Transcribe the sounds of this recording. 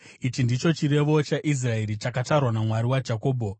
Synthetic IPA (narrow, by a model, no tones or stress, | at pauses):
it͡ʃindit͡ʃo̞t͡ʃiɾe̞ʋo̞t͡ʃaʔis̬rae̞ɾit͡ʃakatarwanamwaɾiwad͡ʒako̞ːbʱo